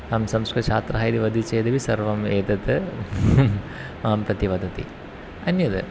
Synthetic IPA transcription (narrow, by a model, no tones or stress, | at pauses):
ɐmsɐmskɾɐt͡ʃʰaːt̪ɾɐɦaːjd̪iʋɐd̪ʱit͡ʃeːd̪ɐʋisɐɾʋɐmeːd̪ɐt̪ɨ | mɐːɐmpɾɐt̪iʋɐd̪ʱɐt̪ḭ | ɐnjɐd̪ɨ